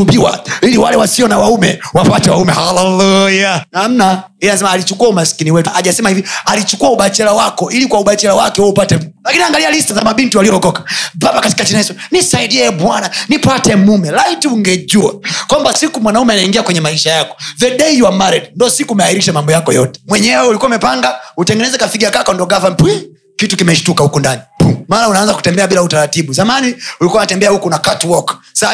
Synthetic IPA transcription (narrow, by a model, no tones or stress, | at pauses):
umbiwa̰iliwalɛwasiɔnawaumɛwafwatɛwa̰umɛhalɛlujanam̩na | iaasɛmaːlit͡ʃukuaumaskiniwɛtuʔaʄasɛmahivialit͡ʃukuauɓat͡ʃɛlawakɔʔilikwauɓat͡ʃɛlawakɛhɔupatɛmumɛlakiniaŋɡalialistaza̰maɓintialiɔɡɔkḁbabakati̥katinaisɔnisaidiɛbwananipatɛmumɛlaitiuŋɡɛd͡ʒua̰kwambasikumwanaumɛanaiŋɡiakwɛɲɛmaiʃajakɔ̥ðɛdɛijuamaɾɛdindɔsikuːmɛahiɾiʃamambɔjakɔjɔtɛ̥mwɛɲɛwɛulikuwaumɛpaŋɡautɛŋɡɛnɛzɛkafiɡakakɔndɔɡafampi | kitukimɛʃu̥tukahukundanimalaunaanzaku̥tɛmbɛaɓilautaɾatiɓuzamaniulikuanatɛmbɛahukunakatwɔksa